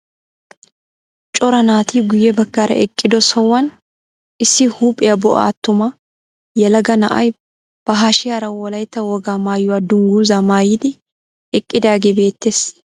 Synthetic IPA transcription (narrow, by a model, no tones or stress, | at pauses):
t͡ʃʼɔɾɐnaːt̪iːɡʊjːɛbɐkːaɾɐ̰ʔɛkʼːɪd̪ɔsɔwːɐn | ɪsːɪhuːpʼːɪjɐbɔʔa̰ːt̪ːʊmɐ | jɛlɐɡɐnɐʔɐ̰j | b̥ɐɦaːʃɪjaːɾɐwɔlɐjt̪ːɐwɔɡaːmaːjːʊwad̪ʊŋɡuːzamaːjɪd̪ɪ | ɛkʼːɪd̪aːɡebe̞ːt̪ːeːs